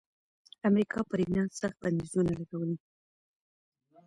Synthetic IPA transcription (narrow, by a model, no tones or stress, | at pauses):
amɾikʰɑpəɾinasaxt̪̚band̪izunalaɡawəli